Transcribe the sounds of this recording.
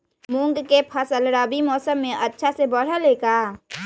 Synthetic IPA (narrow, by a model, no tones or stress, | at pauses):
mũŋɡkepʰɐsəlɾaːbimɔːsəmːẽʔɐtːʃʰasebəɽ̤əleːkaː